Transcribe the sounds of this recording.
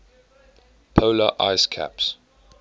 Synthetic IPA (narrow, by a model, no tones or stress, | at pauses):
pʰoʊləʔa̰ɪskʰæ̰ps